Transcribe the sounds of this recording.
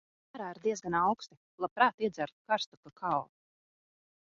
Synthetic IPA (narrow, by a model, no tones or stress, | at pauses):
aɾaːiɾd̪iɛzɡanawkst̪i | lˠapɾaːt̪iɛzaɾt̪kaɾst̪ukakʰaw